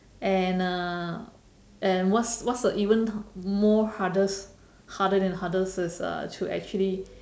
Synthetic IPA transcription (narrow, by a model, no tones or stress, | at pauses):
ɛ̃na | ɛ̃nwɔtswɔtsəʔivə̃nmɔhadəs | hadədɛ̃nɦadəsɪsʌ̰tʰuʔɛ̰k̚t͡ʃuəli